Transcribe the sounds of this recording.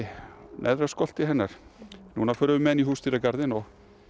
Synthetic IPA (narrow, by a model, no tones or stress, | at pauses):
nʔɛ̰ðɾaskɔl̥t̪ɪɦɛnːaɾ̥nunafœɾʏvʏmɛðnihuːst̪iɾakaɾðɪnɔɣ